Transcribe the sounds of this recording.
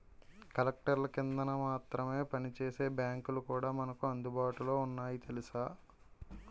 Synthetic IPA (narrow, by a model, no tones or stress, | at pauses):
kɐlɐk̚ʈɐɾlɐkind̪ɐnɐmaːt̪ɾɐme̞ːpɐnit͡ʃe̞ːse̞ːbjaːŋkulukuːɽaːmɐnɐkuɐnd̪ubaːʈulo̞ːunːaːjit̪e̞lisaː